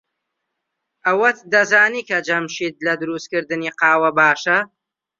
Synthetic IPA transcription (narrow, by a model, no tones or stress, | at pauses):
ʔɐwɐt̪d̪ɐzaːniːkʰɐd͡ʒɐmʃiːt̪̚lɐd̪ɨɾust̪̚kɨɾd̪ɨniːqɑːwɐbaːʃɐ